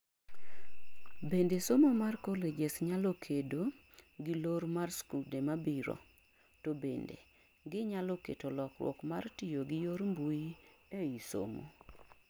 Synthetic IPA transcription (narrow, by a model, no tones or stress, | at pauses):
bendesomomarkoled͡ʒesɲalokʰedo | ɡiloɾmarskudemabiɾo̰ | tobendḛ | ɡɪɲalokḛtolɔkwɔ̰kmartijoɡɪjoɾmbuieiso̰mo̰